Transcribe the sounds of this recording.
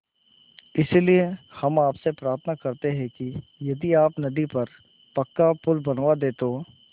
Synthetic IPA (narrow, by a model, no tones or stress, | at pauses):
ɪsliehɐmaːpsepɾaːɾt̪ʰənakɐɾt̪eɦɛ̃kijɐd̪iaːpnɐd̪ipɐɾ | pɐkːapʊlbɐnʋad̪eːt̪oː